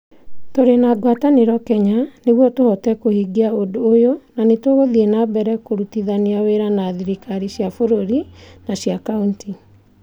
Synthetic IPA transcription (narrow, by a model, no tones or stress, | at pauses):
toɾenaɡwataneɾɔkɛɲaneɣwɔtohɔtɛkohiɡiaodoːjonanetoɣoðienabɛɾɛkoɾutiðaneaweɾanaðiɾikʰaɾiɕjafoɾoɾinaɕjakaunti